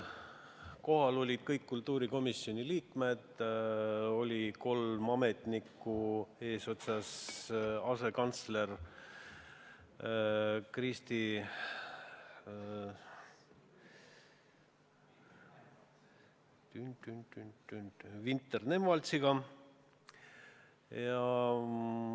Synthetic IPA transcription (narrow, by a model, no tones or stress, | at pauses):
ko̞ɦɑlo̞lʲid̪̥̚kɤjkːult̪ˑːuːɾiko̞misːio̞niliːkme̞d̪̥ | o̞lʲiko̞lmɑme̞t̪ˑnikːˑue̞ːso̞t̪sɑs | ɑse̞kɑnt̪sle̞r | krist̪i | t̪ynt̪ynt̪yt̪ːynvint̪ːˑerne̞mvɑlt̪siɡ̥ɑ | jɑ